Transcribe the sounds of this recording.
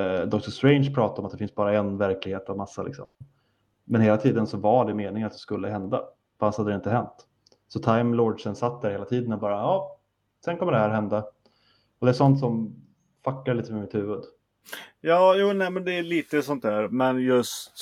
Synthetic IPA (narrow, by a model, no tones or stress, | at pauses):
d̪ɔkt̪əʂt̪ɾɛɪnʂpʰɾɑːt̪aɔmat̪d̪ɛfɪnsbɑːɾaɛnvæɾklɪɡheːt̪avmasːalɪ̰ksɔ̰m | mɛnheːlat̪ʰiːd̪ənsɔvaɖɛmeːnɪŋat̪̚d̪ɛskɵlːəɦɛnd̪a̰ | fanshad̪ːɾɛɪnt̪əɦɛnt̪ | sɔt̪ʰaɪmlɔɖʂənsat̪̚ːd̪æɾheːlat̪ʰiːd̪ənɔbɑːɾaɑː | sɛnkʰɔməɖɛhæːɾhɛnd̪a | ɔd̪ɛæːʂɔnt̪sɔm | fakːaɭiːt̪əmɛmɪt̪hʉ̟ːvɵd̪ | jɑːjuːnɛmɛnd̪ɛːliːt̪əsɔnt̪hæːɾmɛnjɵstt̪